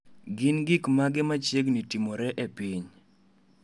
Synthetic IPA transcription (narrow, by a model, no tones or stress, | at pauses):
ɡɪnɡikmaɡɪmat͡ʃeɡnitimɔɾɛʔepiɲ